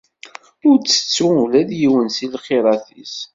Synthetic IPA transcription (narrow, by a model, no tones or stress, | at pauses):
ʊɾt͡sːə̥t͡sːʊulæðjiwənsilχiɾˤɑθis